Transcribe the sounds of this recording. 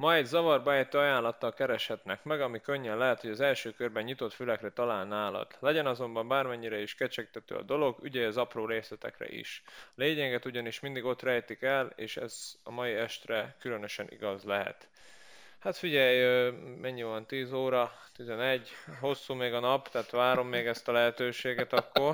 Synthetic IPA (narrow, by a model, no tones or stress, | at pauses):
mɒjd̪zɒvɒrbɛɛjt̪ːøːɒjaːnlːɒt̪ːɒlkɛɾɛʃhɛt̪nɛkmɛɡɒmikø̞ɲːɛnlɛɦɛt̪ho̞ɟɒzɛlʃøːkørbɛɲɲit̪o̞t̪fylɛkrɛt̪ɒlaːlnaːlɒ̰d̪̥lɛɟɛnɒzo̞mbɒmbaːrmɛɲːiɾɛiʃkɛt͡ʃɛk̚t̪ɛt̪ø̰ːɒ̰d̪o̞lo̞ɡy̰ɟɛjɒzɒproːɾeːslɛt̪ɛ̰krɛ̰ʔḭʃleːɲɛɡɛt̪uɟɒniʃmind̪iɡo̞t̪rɛjt̪ikɛleːʃɛ̰zɒ̰mɒiɛʃt̪rɛkylø̞nøʃɛnʔḭɡɒzlɛɦɛ̰t̪ | hat̪fiɟɛjømʔɛɲːivɒnt̪iːzoːɾɒ | t̪izɛnɛɟːho̞sːuːmeːɡɒnɒpt̪ɛːt̪ʋaːɾo̞mːeːɡɛst̪ɒlɛɦɛt̪øːʃeːɡɛt̪ɒkːo̞r